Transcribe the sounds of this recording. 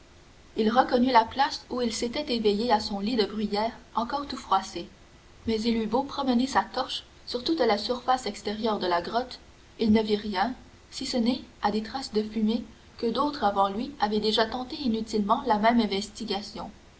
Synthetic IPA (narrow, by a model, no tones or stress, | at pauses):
ilʁəkɔnylaplasuilset̪ɛt̪evejeasɔ̃lid̪əbʁijɛːʁɑ̃kɔːʁt̪ufχwase | mɛzilybopχɔmənesat̪ɔʁʃ | syʁt̪ut̪lasyʁfasɛkst̪eʁjœʁd̪əlaɡʁɔt̪ | ilnəviʁjɛ̃ | sisənɛad̪et̪χasd̪əfyme | kəd̪ot̪χavɑ̃lɥiavɛd̪eʒat̪ɑ̃t̪einyt̪ilmɑ̃lamɛ̃mɛ̃vɛst̪iɡʲasjɔ̃